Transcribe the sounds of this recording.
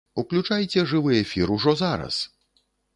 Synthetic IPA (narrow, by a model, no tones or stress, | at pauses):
uklʲut͡ʂajt͡sʲɛʐɨvɨjefʲiɾuʐɔzaɾɐ̰s